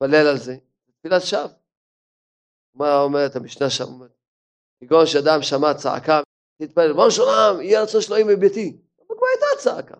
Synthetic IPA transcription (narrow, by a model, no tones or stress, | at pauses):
palelalze | zet̪filat̪ʃav | maomeʁet̪amiʃnaʃa̰momeʁet̪ | kiɡonʃead̪amʃamat͡sa̰a̰ka | t̪it̪̚palelbonʃonamijeɾat͡sonʃloimebet̪i | omakmajt̪at͡saa̰ka̰